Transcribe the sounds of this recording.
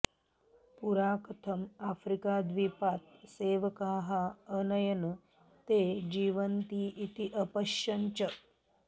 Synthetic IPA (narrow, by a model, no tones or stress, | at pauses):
puɾaːkɐt̪ʰɐmafɾikaːd̪ʋipaːt̪seːʋɐkaːɦaənɐjɐn | t̪eːd͡ʑiːʋɐnt̪iːʔit̪iʔɐpɐʃjɐɲt͡ʃɐ